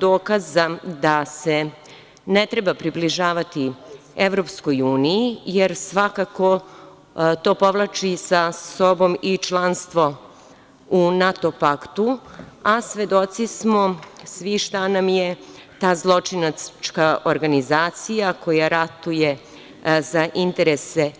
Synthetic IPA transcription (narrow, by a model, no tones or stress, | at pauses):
d̪oːkazad̪ase | net̪ɾebapɾibliʒaːʋat̪i | eʋɾo̞pskojuːnijijeɾsʋakako̞ | t̪o̞ːpo̞ʋlˠat͡ʃisaso̞bo̞mit͡ʃlˠanst̪ʋo̞ | unat̪o̞pakt̪uasʋe̞d̪o̞t̪sismosʋiʃt̪anamjet̪aːzlˠo̞t͡ʂinat͡ʃkaʔoɾɡanizaːt̪sijakʰo̞jaɾat̪uje̞ | zaʔint̪eɾese